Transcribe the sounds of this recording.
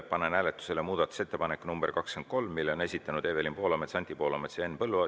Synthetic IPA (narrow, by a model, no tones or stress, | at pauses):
pɑnenæːlet̪ːˑu̥se̞lemuːd̪̥ɑt̪ːˑu̥set̪ːe̞pɑnekːˑunumb̥erkɑksken̚ko̞lmːilːo̞ne̞sʲit̪ːˑɑnud̪eːvelimpo̞ːlɑmet̪sɑnt̪ʲipo̞ːlɑmet̪seenpɤlːuɑ